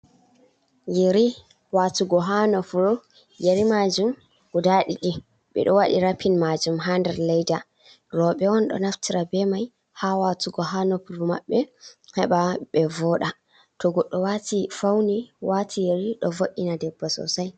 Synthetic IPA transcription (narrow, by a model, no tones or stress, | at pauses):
jeɾi | watuɡɔɦanɔfuɾu | jeɾimad͡ʒum | wudaɗiɗi | ɓɛ̰ɗɔwaɗḭɾapʰːinmad͡ʒumɦandɛɾlɛjda | ɾɔɓɛɔnɗɔ̰naftʰiɾabɛmaj | hawatuɡɔɦanɔfuɾuma̰ɓːɛhɛɓaɓɛvɔɗa | tɔɡɔɗːɔwatifawniwatʰijeɾiɗɔ̰voʔːinadɛbːasɔ̰saj